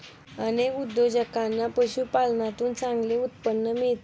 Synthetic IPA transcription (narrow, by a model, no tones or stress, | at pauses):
ənekud̪jod͡ʑəkanːapəɕuːpalnat̪uːnt͡sãŋɡleut̪̚pənːəmiɭt̪